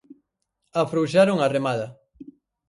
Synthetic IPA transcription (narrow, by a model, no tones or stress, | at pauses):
afɾowʃaɾoŋaremaðɐ